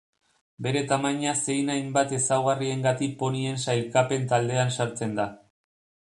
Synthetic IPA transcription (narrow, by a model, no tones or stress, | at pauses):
be̞ɾe̞t̪amaɲase̞jnajmbat̪e̞sawɣ̞arie̞ŋɡat̪ik̚po̞nie̞nsajɾkape̞nt̪ald̪e̞ansaɾt͡se̞nd̪a